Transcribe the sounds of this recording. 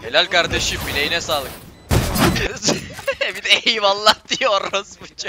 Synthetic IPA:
he̞lʲælʲkaɾd̪eʃɯbilʲejinɛsaːlˠɯk̚ | bid̪ɛjimalˠːad̪ijoɾosbit͡ʃa

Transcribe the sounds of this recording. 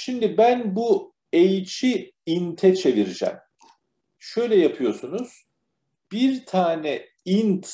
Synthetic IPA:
ʃimd̪ibænbu | ejt͡ʃʰi | int̪ʰɛt͡ʃʰe̞viɾid͡ʒæ̰m | ʃøjlʲɛjapʰɯjo̞sunuz̥ | b̥iɾt̪ʰaːnɛ | int̪

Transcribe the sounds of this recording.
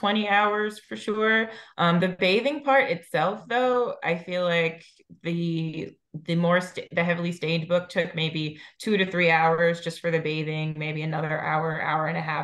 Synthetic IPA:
tʰw̥ɛ̃ɾ̃iaʊə˞z̥fə˞ʃʊɹʔʌ̃mðɨbeɪvɪ̃ŋpʰɑɹɾɨtsɛlˠfðoʊa̰ɪfilaɪk | ðɨ | ðɨmɔɹstðɨɦɛvl̩ˠistẽɪ̃ndbʊk̚tʰʊk̚meɪbitʰʉɾɨθɹiaʊə˞zd͡ʒʌstfə˞ðɨbeɪðɪ̃ŋmeɪbiɨnʌðə˞ʔa̰ʊə˞ʔa̰ʊə˞ɨ̃ñɨɦæ

